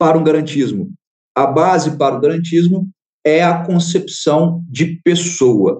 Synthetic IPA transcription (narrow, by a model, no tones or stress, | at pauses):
paɾɐũɡaɾɐ̃nt͡ʃizmʊ | ɐbazɪpaɾɐuɡaɾɐ̃nt͡ʃizmʊ | ɛɐkõsepsɐ̃w̃d͡ʒɪpesowɐ̰